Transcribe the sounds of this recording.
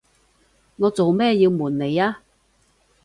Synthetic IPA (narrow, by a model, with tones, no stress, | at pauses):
ŋɔː˨˧t͡so˨wmɛː˥˧ji˧wmuː˨˩nne˨˧jaː˧˥